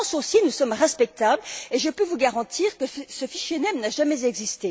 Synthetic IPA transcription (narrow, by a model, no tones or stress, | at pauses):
sosinusɔmʁɛspɛk̚t̪ableʒəpøvuɡaʁɑ̃t̪ʰiːʁkəsəfiʃjenɛmnaʒamɛzɛɡzist̪e